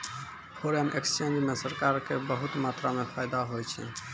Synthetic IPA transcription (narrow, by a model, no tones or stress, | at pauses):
hoːɾɦəmekst͡ʃend͡ʒmẽsəɾkaːɾkebəɦʊt̪maːt̪ɾamefaːjd̪aɦojt͡ʃʰḭ